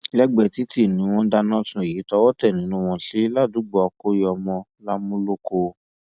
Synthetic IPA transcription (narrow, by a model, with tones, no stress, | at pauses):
lɛ˦ɡ͡bɛ˧˨ti˨˦ti˦˨nĩ˨˦w̃ɔ̃˧da˧nɔ̃˦tũ˧e˨ji˨˦tɔ˧˦wɔ˦tɛ˦˨nĩ˨˦nũ˧w̃ɔ̃˧ɬi˨˦la˦˨du˨˦ɡ͡bɔ˨ɔ˧ko˦jɔ˧mɔ̃˧ | la˦mũ˦lo˦ko˧